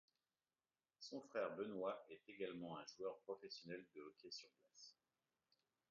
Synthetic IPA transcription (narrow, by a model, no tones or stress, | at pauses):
sɔ̃fχɛʁbənwaɛt̪eɡalmɑ̃ɛ̃ʒuœʁpχɔfɛsjɔnɛld̪əːkʲɛsyʁplas